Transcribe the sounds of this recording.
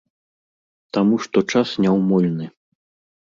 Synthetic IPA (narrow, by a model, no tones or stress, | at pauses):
t̪amuʂt̪ɔt͡ʂasnʲɛwmɔlʲnɨ